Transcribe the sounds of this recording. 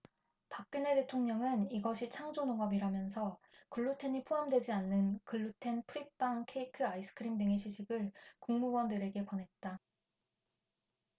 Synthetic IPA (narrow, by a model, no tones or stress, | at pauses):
pak͈̚ɯne̞te̞tʰoŋɲʌŋɯniɡʌɕʰit͡ɕʰaŋd͡ʑonoŋʌbiɾamjʌnsʰʌkɯɭːutʰe̞ɲipʰoɦamdwe̞d͡ʑianːɯnkɯɭːutʰe̞npʰuɾip̚p͈aŋkʰe̞ikʰɯais͈ɯ̥kʰɯɾimdɯŋeɕʰiɕʰiɡɯɭkuŋmuɡwʌndɯɾe̞ɡe̞kwʌnɦe̞t̚t͈a